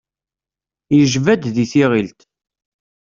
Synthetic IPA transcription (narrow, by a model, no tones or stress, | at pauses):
jəʒvæd̪ðiθiʁilt̪